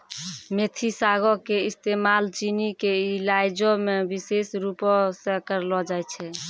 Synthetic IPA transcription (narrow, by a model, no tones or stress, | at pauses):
met̪ʰisaɡɔkeist̪emalt͡ʃinikeilajd͡ʒɔmebisesɾupɔsekəɾlɔd͡ʒajt͡ʃʰɛ